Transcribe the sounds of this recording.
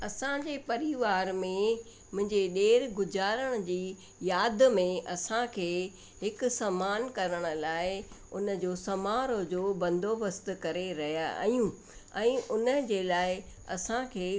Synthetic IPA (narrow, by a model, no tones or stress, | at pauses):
ɐsãd͡ʑepɐɾiʋaːɾmẽ | mʊ̃ɦɪ̃ɲd͡ʑeɗeːɾɡʊzaːɾəɽ̃̆d͡ʑiː | jaːd̪mẽʔɐsãkʰeː | ɦɪkʊ̆sɐmaːnkɐɾəɽ̃ə̆laːɪʊnə̆d͡ʑoːsɐmaːɾod͡ʑoːbɐ̃nd̪ʱobəst̪kɐɾeɾɐɦija̰ʔɐ̰jũ | ɛ̃ːʔʊnəd͡ʑeːlaːɪ | ɐ̰sãkʰeː